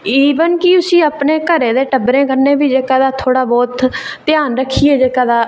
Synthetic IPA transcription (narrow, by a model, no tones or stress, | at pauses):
iːʋənkɪʊsĩːəpɳeːkəɾeːd̪eːʈəbɾẽːkəɾnẽːbiːd͡ʒeːkãːd̪aːt̪ʰoːɽaːbɔːt̪ː | ɪjaːnɾəkʰːiːeːd͡ʒeːkãːd̪aː